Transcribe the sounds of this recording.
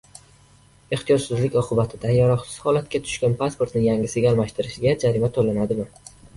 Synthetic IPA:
e̞χt̪ʰijɒd͡ʒsɪzlɪkʲɒqʰɨbat̪ʰɪd̪ajaɾɒχsɪ̥z̥hɒlat̪̚kʲat̪ʰʊ̥ʃkʲanpʰaspoɾt̪nɪŋjaŋʲɪsɪɡʲalmaʃt̪ɪɾɪʃɪɡʲad͡ʒaɾimat̪ʰolanad̪ɪmɪ

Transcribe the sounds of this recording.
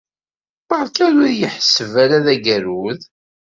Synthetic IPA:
pɑɾˤkæɾʊɾjəħsəvælæðæɡæɾuð

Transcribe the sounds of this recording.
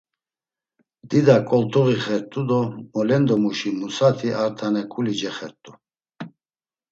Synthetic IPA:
d̪̥id̪akʼɔlt̪ʰʼuʁiχɛɾt̪ʼud̪ɔmɔlɛnd̪ɔmuʃimusat̪ʰiʔaɾt̪ʰanɛkʼulid͡ʒɛχɛɾt̪ʼu

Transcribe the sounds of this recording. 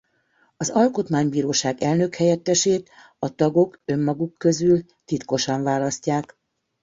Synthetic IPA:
ɒzɒlko̞t̪maːɲbiːɾoːʃaːɡɛlnøkhɛjɛt̪ːɛʃeːt̪ | ɒt̪ɒɡo̞kø̞mːɒɡukːø̞zyl | t̪it̪ko̞ʃɒɱvaːlɒscaːk

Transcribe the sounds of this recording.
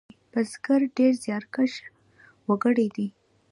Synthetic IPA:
pəzɡəɾɖeɾzjɑɾkəʃ | wəɡəɽid̪i

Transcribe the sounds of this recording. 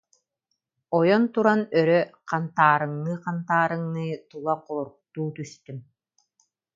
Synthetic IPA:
ɔjɔnt̪uɾanœɾœqant̪aːɾɯŋnɯːqant̪aːɾɯŋnɯːt̪ulˠaqɔlˠuɾk̚t̪uːt̪yst̪ym

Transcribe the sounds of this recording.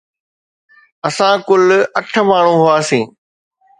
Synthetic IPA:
ɐsãːkʊlɐʈʰmaːɳ̤ũːɦʊaːsĩː

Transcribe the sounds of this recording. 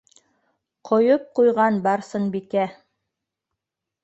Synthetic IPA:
qʰŏjop̚qujʁɑnbɑɾsɤɴbikæ

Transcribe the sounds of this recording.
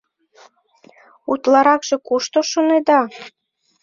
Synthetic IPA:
ut̪lɑɾɑkʒ̥ekuʃt̪oʃoned̪ɑ

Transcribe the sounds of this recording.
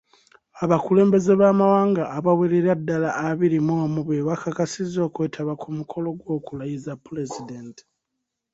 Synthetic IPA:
aβakule̞ːmbe̞ze̞βaːmawaːŋɡaʔːβaweɾeɾadːalaʔːβiɾimoːmuβwewakakasizo̞ːkwe̞ːtʰaβakumukʰo̞lo̞ɡwo̞ːkulajizapːulezidenti̥

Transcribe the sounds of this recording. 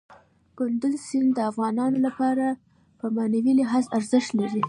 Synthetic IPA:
ɡ̥ʊnd̪ʊzsɪnd̪əafɣɑnɑnolapɑɾa | pəmanawilɪɦɑzaɾzɪʃt̪laɾi

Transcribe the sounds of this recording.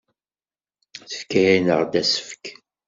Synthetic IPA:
θə̥fkæjinəʁd̪æsə̥fə̥k

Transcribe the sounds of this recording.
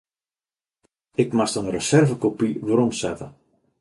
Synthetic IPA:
ɪkmastənrəsɛrvəkopiʋəɾɔmsɛtə̰

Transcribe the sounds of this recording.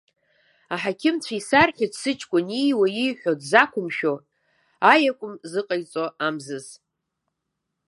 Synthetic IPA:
aħakʲʰɪmt͡sʷʰaisarħʲʷᶣidsɨt͡ʃʼkʷʼʊnijwajijħʷᶣodzakʷʰʊmʃᶣo̞ | ajakʷʼʊmzɨqʼajt͡sʼoamzɨz

